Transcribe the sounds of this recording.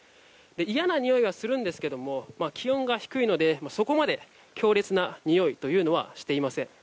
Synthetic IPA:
d̪e̞ijanaɲ̟ijo̞iβ̞asɨɾɯ̟̃nd̪e̞sɨ̥ke̞d̪o̞mo̞makʲiõ̞ŋɡaçi̥kɯ̟ino̞d̪e̞maso̞ko̞mad̪e̞ | kʲo̞ːɾe̞t͡sɨnaɲ̟ijo̞it̪o̞jɯ̟ːno̞βa̰ɕi̥t̪e̞imasẽ̞ɴ

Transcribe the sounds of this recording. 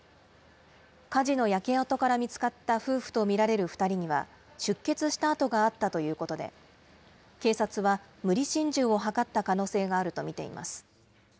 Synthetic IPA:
kaʑino̞jake̞at̪o̞kaɾamʲit͡sɨ̥kat̪ːaɸɯ̟ːɸɯ̟̥t̪o̞mʲiɾaɾe̞ɾɯ̟ɸɯ̥t̪aɾʲiɲ̟iβa̰ | ɕɨkːe̞t͡sɨɕi̥t̪aːt̪o̞ɡaːt̪ːat̪o̞jɯ̟ːko̞t̪o̞d̪e̞̰ | ke̞ːsat͡sɨβamɯ̟ɾʲiɕĩɲd͡ʑɨːo̞ɦakat̪ːakano̞ːse̞ːɡaːɾɯ̟t̪o̞mʲit̪e̞̰ḭma̰sɨ̥

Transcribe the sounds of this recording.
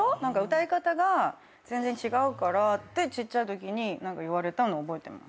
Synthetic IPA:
onãŋkaɯ̟t̪aikat̪aɡa | z̥ẽ̞nd͡zẽ̞ɲt͡ɕiɡaɯ̟kaɾat̪ːe̞t͡ɕitt͡ɕːaɯ̟t̪o̞k̬ʲiɲ̟inãŋkaiβaɾe̞t̪anoːbo̞e̞t̪e̞̰ma̰s

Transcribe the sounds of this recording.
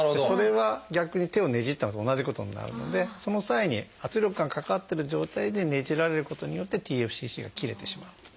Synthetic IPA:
deso̞ɾe̞βaɡʲakɯ̟ɲ̟it̪e̞o̞ne̞ʑit̪ːanot̪oːnaʑiko̞t̪o̞̰ɲ̟ḭna̰ɾɯ̟̰no̞̰d̪e̞so̞no̞saiɲ̟ḭat͡sɨɾʲo̞kɯ̟ɡaŋkakat̪ːe̞ɾɯ̟ʑo̞ːt̪aid̪e̞ne̞ʑiɾaɾe̞ɾɯ̟ko̞t̪o̞ɲ̟ijo̞t̪ːe̞t̪ʲiːe̞ɸɯ̟̥ɕiːɕḭːɡakʲiɾe̞t̪e̞ɕimaɯ̥

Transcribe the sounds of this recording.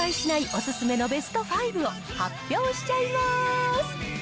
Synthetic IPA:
aiɕinaiʔosɨsɨme̞no̞be̞sɨ̥t̪o̞ɸaiɾɯ̟o̞ | hapʲjo̞ːɕi̥t͡ɕaimasɨ̥

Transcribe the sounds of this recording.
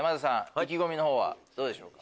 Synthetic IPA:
mazasãhakʲiɡo̞mʲino̞ɦo̞ːβa̰d̪̥oːd̪e̞ɕo̞̰ːkḁ

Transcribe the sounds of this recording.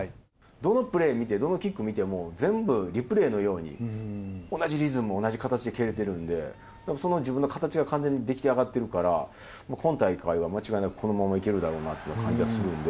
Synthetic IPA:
d̪o̞no̞pɯ̟ɾe̞ːmʲit̪e̞d̪o̞no̞kʲikːɯ̟mʲit̪e̞mo̞d͡zẽ̞mbɯ̟ɾʲipɯ̟ɾe̞ːno̞jo̞ːɲ̟ḭ | o̞naʑiɾʲizɨmɯo̞naʑikat̪at͡ɕid̪e̞ke̞ɾe̞t̪e̞ɾɯ̟̃nd̪e̞̰ | d̪emoso̞no̞d͡ʑibɯ̟nːokʰat̪at͡ɕiɡakʰãnd͡zẽ̞ɲ̟ːid̪e̞kʲi̥t̪e̞aɡat̪ːe̞ɾɯ̟kaɾa̰ | makʰõ̞nt̪aikaiβ̞amat͡ɕiɡainakɯ̟̥kʰo̞no̞mamaike̞ɾɯ̟d̪aɾo̞ːnat̪ojɯnːakʰãɲ̟d͡ʑiɡasɨɾɯ̟̃nd̪e

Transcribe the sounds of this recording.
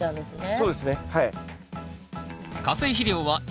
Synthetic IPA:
ãd̪esɨnesso̞ːd̪e̞sɨne̞hai | kasɨiçiɾʲjoːβa

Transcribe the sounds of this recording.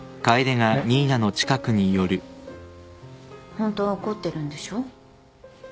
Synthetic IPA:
kaid̪e̞ŋaɲʲiːnano̞t͡ɕi̥kakɯ̟ɲ̟ijo̞ɾɯ̟ | hõ̞nt̪ooko̞t̪ːe̞ɾɯ̟̃nd̪eɕo̞ː

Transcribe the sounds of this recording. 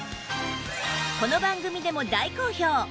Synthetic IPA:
ko̞no̞bãŋɡɯ̟mʲid̪e̞mo̞d̪aiko̞ːço̞ː

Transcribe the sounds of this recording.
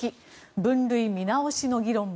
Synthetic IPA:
i | bɯ̟̃nɾɯ̟imʲinaoɕino̞ɡʲiɾõ̞m

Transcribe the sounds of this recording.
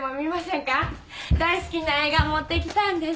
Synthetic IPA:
momʲimasẽ̞ŋka | d̪aisɨ̥kʲinaeːɡamot̪ːe̞kʲi̥t̪ãnd̪es

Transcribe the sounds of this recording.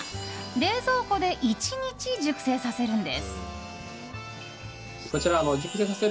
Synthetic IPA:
d̪e̞ːzo̞ːho̞d̪e̞ʔit͡ɕiɲ̟it͡ɕiʑɨkɯ̟̥se̞ːsase̞ɾɯ̟̃nd̪e̞̰sɨ̥ | ko̞t͡ɕiɾanod͡ʑɨkɯ̟̥se̞ːs̬aseɾ

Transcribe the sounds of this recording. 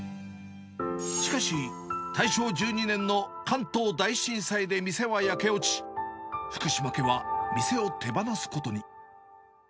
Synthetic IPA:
ɕɕi̥kaɕi | t̪aiɕo̞ːd͡ʑɨːɲ̟inẽ̞nːo̞kʰãnt̪o̞ːd̪aiɕĩɰ̃said̪e̞mʲise̞β̞ajake̞o̞t͡ɕi̥ɸɯ̟̥kɯ̟ɕimake̞βamʲise̞o̞t̪ʰe̞banasɨ̥ko̞t̪o̞ɲ̟i

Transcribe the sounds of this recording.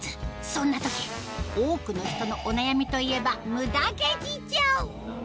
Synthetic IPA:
t͡sɨ̥ | sõ̞nːat̪o̞kʲi̥ | oːkɯ̟no̞çi̥t̪o̞no̞ʔonajamʲit̪o̞ie̞bamɯ̟d̪aked͡ʑit͡ɕaɯ

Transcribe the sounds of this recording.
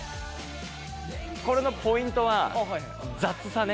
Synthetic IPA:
ko̞ɾe̞no̞po̞ĩnt̪o̞βa | d͡zat͡sɨsane

